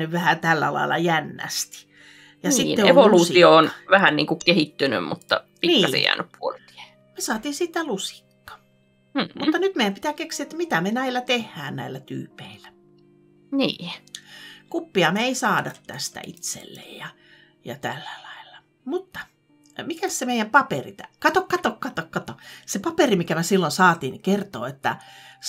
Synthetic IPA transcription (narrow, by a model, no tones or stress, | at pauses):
nyʋʋæhæt̪ælːæ̰lɑ̰ilːˑɑ̰jænːæ̰st̪i̥ | jɑsit̪ːeoelʋolutsiioonʋæhænniːŋkukehit̪ːyny̰mmṵt̪ːɑ̰piniːɑḛjæ̰ːnʔyppuolt̪i̥e | mesɑːt̪iːsit̪ːælusi̥kːɑ̥ | mut̪ːɑnyt̪meijæmpi̥t̪æːkeksiet̪mit̪æmenæilːˑæt̪ehːæːnnæilːæt̪y̰ːpeilæ | niː | kupːiɑmeeisɑːdɑt̪t̪æ̰st̪æ̰ʔḭt̪sḛlːḛjjɑ | jɑ̰t̪ælːælɑilːɑ | mut̪ːɑ̥ | mikæssemeijæmpɑperit̪ækɑt̪okkɑt̪okkɑt̪okkɑt̪osepɑperimikæmæsilːonsɑːt̪inkert̪o̰ːet̪ːæ̰